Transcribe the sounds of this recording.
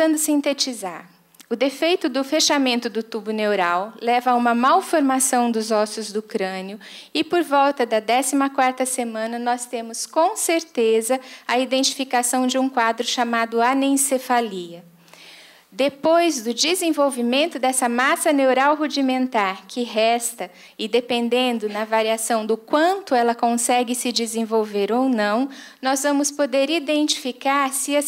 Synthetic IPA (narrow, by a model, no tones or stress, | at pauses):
ɐ̃nd̪ʊsĩnt̪et͡ʃizaɾ | ʊd̪efejt̪ʊd̪ʊfeʃamẽnt̪ʊd̪ʊt̪ubʊnewɾawlɛvɐũmɐmawfoɾmasɐ̃w̃d̪ʊzɔsjʊzd̪ʊkɾɐ̃nɪʊɪpoɾvɔwt̪ɐd̪ɐd̪ɛsimɐkwaɾt̪ɐsemɐ̃nɐnɔst̪ẽmʊskõw̃seɾt̪ezɐɐid̪ẽnt͡ʃi̥fikasɐ̃w̃d͡ʒɪũkwad̪ɾʊʃamad̪ʊanẽsefaliɐ | d̪epojzd̪ʊd͡ʒizẽvowvimẽnt̪ʊd̪ɛsɐmasɐnewɾawɦud͡ʒimẽnt̪aɾkʰɪɦɛst̪ɐ | ɪd̪epẽnd̪ẽnd̪ʊnɐvaɾiasɐ̃w̃d̪ʊkwɐ̃nt̪ʊɛlɐkõsɛɡɪsɪd͡ʒɪzẽvowveɾownɐ̃w̃nɔzvɐ̃mʊspod̪eɾid̪ẽnt͡ʃi̥fikaɾsɪɐ